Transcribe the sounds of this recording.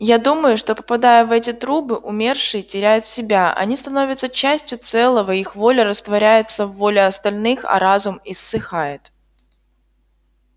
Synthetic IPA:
jad̪uməjʊʂt̪o̞pə̥pɐd̪ajəvɛtʲɪt̪ɾubɨʔʊmʲe̞rʂɨjɪtʲɪɾʲæjʊt̪sʲɪbʲaʔɐ̰nʲist̪ɐno̞vʲɪt̪sət͡ɕæsʲtʲjʊt̪sɛlˠəvəixvo̞lʲəɾəst̪vɐɾʲæjɪt̪səvːolʲɪɐst̪ɐlʲnɨxɐ̰ɾazʊmɪsːɨxajɪt̪

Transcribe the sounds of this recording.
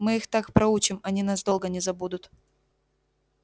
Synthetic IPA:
mɨixt̪akpɾɐut͡ɕɪmɐnʲinasd̪o̞lˠɡənʲɪzɐbud̪ʊt̪

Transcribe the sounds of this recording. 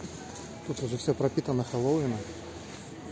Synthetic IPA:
t̪ut̪ʊʐɛfʲsʲɵpɾɐpʲit̪ənːəxɐlˠowʲɪnə

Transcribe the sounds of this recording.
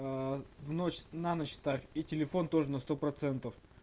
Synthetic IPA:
vnot͡ɕsnanət͡ɕst̪afʲitʲɪlʲɪfo̞nt̪o̞ʐɨnɐst̪o̞pɾɐt̪sɛnt̪əf

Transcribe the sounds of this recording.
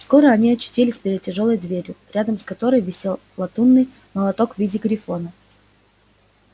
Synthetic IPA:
sko̞ɾəɐnʲiɐt͡ɕːɪ̥tʲilʲɪsʲpʲɪɾʲɪd̪̚tʲɪʐo̞lˠəjd̪vʲeɾʲjʊɾʲad̪əmskɐt̪o̞ɾɨjvʲɪsʲelˠplˠɐt̪unːɨj | məlˠɐt̪o̞kvʲidʲɪɡɾʲɪfo̞nə

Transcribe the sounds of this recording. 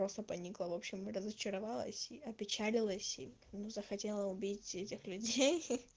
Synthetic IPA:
ɾo̞st̪əpɐnʲiklˠəvo̞pɕːɪmrəzət͡ɕɪɾɐvɑlˠə̰sʲiɐpʲɪt͡ɕælʲɪlˠəsʲi | nuzəxɐtʲelˠəʊbʲitʲɛtʲɪxlʲʉdʲej

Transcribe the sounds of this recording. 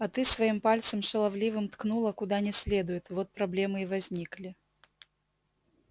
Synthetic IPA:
ɐt̪ɨsvɐimpalʲt̪səmʂɨlˠɐvlʲivɨmt̪knulˠəkʊd̪anʲɪsʲlʲed̪ʊjɪt̪vot̪̚pɾɐblʲe̞mɨivɐzʲnʲiklʲɪ

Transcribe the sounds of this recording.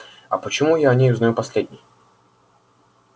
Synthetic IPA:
ɐpət͡ɕɪmujanʲejuznɐjupɐsʲlʲedʲnʲɪj

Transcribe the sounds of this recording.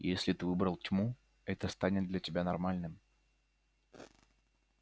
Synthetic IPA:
jesʲlʲɪt̪ɨvɨbɾəlˠtʲmu | ɛt̪əst̪anʲɪt̪̚d̪lʲɐtʲɪbʲanɐrmalʲnɨm

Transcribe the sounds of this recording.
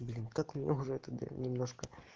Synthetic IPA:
blʲint̪akmʲnʲɛʊʐɛt̪ɐd̪ɨ̰nʲɪmnoʂkə

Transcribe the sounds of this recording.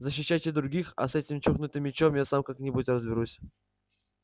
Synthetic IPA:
zəɕ̬ːɪɕːajtʲɪd̪ɾʊɡʲixa̰sɛtʲɪmt͡ɕuxnʊt̪ɨmːʲɪt͡ɕomjasamkaknʲɪbudʲrəzbʲɪɾusʲ

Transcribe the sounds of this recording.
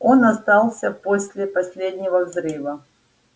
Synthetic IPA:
o̞nɐst̪ɑlˠsʲəposʲlʲɪpɐsʲlʲed̪ʲnʲɪvəvzɾɨvə

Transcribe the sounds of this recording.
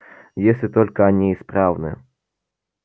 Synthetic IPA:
jesʲlʲɪt̪ɔlʲkɐɐnʲiispɾawnɨ̰

